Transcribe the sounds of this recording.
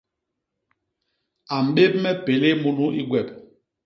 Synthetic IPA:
a˨m̩˨ɓe˦p̚mɛ˦pe˨le˦mu˦nu˦i˦ɡwɛ˨p

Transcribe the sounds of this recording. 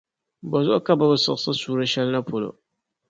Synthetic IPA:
ba˨zɔ˦ʔka˦ba˦bɨ˨sɨ̰˦˨˦sɨ˦suː˦ɾa˦ʃɛ˦lna˦po˨lo̰˨

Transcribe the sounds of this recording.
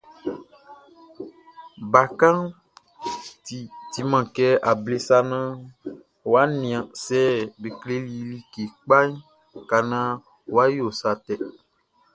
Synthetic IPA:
ba˨kã˦n | ti˨ti˨mã˨kɛ˦a˨ble˦sa˦nã˦ | wa˦nĩ˨ã˨sɛ˦be˨kle˦li˨li˦ke˨k͡pa˦i˦ | ka˨nã˦ | wo˨˦a˦jo˨sa˨t̪ɛ˨

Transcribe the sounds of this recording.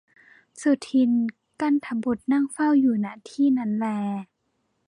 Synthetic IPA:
su˧˩t̪ʰi˧˥˨n | ka˧˥˨nt̪ʰa˨˧bo˧˩t̪̚na˧˥˨ŋfa˥˨wjuː˨˩na˧˩t̪ʰiː˥˨na˧˥˨nlɛː˧

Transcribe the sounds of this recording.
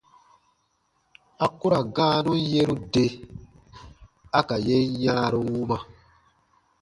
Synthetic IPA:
a˨ku˦ɾa˨ɡãː˦nũ˦n˦je˦ɾũ˦de˦ | a˦ka˨je˦ɲaː˦ɾo˨wu˦ma˨

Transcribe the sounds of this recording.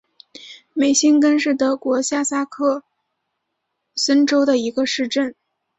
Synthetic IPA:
me˨˩ɪɕi˥nkə˥nʂɻ̩˥˩t̪ɤ˧˥kwɔ˧˥ɕja˥˩sa˥kʰɤ˥˩ | sə˥nʈ͡ʂo˥ʊd̪ə˨i˧˥ɡə˧ʂɻ̩˥˧ʈ͡ʂə˥˩n

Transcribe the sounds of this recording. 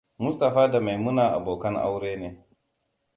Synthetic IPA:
mʊ˦sta˨ɸaː˦da˨ma˨jmʊ˦naː˨ʔa̰˨boː˨kɐ˦ŋʔa̰˦wɽeː˦neː˦

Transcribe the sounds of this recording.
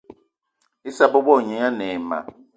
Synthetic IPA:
i˦sa˦bɔ˦bɔ˦˨ɲɛ˨˦a˦nɛ˨ma̰˨

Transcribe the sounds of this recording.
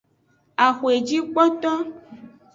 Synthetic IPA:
a˨xo˨e˨d͡ʒi˦k͡pɔ˦t̪ɔ˦

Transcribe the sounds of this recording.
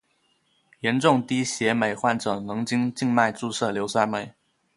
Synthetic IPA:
jɛ˧˥nʈ͡ʂʊ˥˩ŋt̪i˥ɕjɛ˧˥me˨˩ɪxwa˥˩nʈ͡ʂɤ˨˩nɤ˧˥ŋt͡ɕi˥ŋt͡ɕi˥˧ŋma˥˧ɪʈ͡ʂu˥˧ʂɤ˥˩ljo˧˥ʊswa˥me˨˩˦ɪ

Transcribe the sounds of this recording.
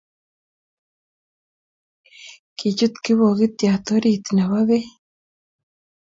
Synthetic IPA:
ki˨t͡ʃu˦t̪ki˦βo˨ɣɪt̪ja˨t̪o˦ɾit̪naβa˦βe˦

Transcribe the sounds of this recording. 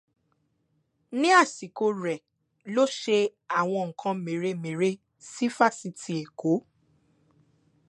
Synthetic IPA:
nĩ˦a˦˨si˨ko˧ɾɛ˨ | lo˦ʃe˧a˦˨w̃ɔ̃˧ŋ̩˨kʰã˧mẽ˨ɾe˧˦mẽ˨ɾe˦ | si˦fa˦˨si˧ti˧˦e˨ko˨˦

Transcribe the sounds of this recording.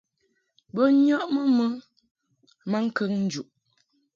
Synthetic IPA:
bə˦ɲɔ˦ʔmə˦mə˦ | ma˦ŋ̩˦kə˦ŋn̩˦d͡ʒu˨ʔ

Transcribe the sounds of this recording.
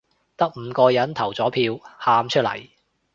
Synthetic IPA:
t̪ɐ˥k̚m̩ː˨˧kɔː˧jɐ˨˥nt̪ʰɐ˨˩wt͡sɔː˨˥pʰiː˧whaː˧mt͡ʃʰɵ˥lɐ̰˨˩j

